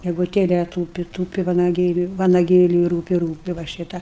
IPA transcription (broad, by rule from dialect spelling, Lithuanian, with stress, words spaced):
ɡʲɛɡʊˈtʲeːlʲɛ ˈtuːpʲɪ ˈtuːpʲɪ ʋɐnɐˈɡʲeːlʲʊɪ ʋɐnɐˈɡʲeːlʲʊɪ ˈruːpʲɪ ˈruːpʲɪ ʋɐ ˈʃʲiːtɐ